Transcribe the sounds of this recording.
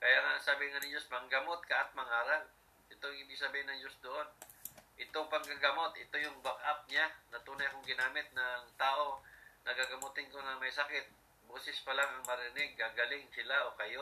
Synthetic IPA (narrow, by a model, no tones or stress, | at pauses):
kɐjaŋaʔŋsaːbɪŋanɪŋd͡ʒosmɐŋɡɐmot̪̚kɐʔɐt̪̚mɐŋaːɾal | ʔɪt̪ojʊŋhɪbɪɡ̚sɐbiːhɪnɐŋd͡ʒosd̪oʔo̞nʔɪt̪oŋpɐŋkaɡɐmo̞t̪ʔɪt̪o̞jʊŋbakʔap̚ɲanɐt̪uːnɐjkʊŋɡɪnaːmɪt̪̚nɐŋt̪aːʔo̞nɐkaɡɐmut̪ɪnkonɐŋmɐjsɐkɪt̪̚ | boːsɪspɐlaŋɐŋmɐɾɪnɪɡ̚ːaɡɐlɪŋsɪlaʔo̞kɐjo